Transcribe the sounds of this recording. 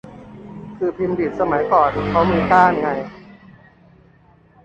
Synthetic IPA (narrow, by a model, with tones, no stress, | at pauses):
kʰɯː˧pʰi˧mdi˨˩t̪̚sa˧ma˨˩˦jkɔː˨˩nkʰa˦˥wmiː˧kaː˥˩˨nŋa˧j